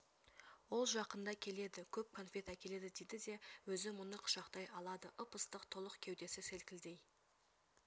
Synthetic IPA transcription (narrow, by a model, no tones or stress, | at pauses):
wo̞lˠʒɑqənd̪ɑkʲʰe̞le̞d̪ɪkʲʰɵp̚kʰo̞nfʲe̞t̪akʲʰe̞le̞d̪ɪd̪ejd̪ɪd̪e̞wɵzɪmʊnəqʰʊ̥ʃɑqt̪ɑjɑlˠɑd̪əʔəpəst̪əqt̪ʰo̞lˠəqkʲʰewd̪e̞sɪselkʲɪld̪e̞j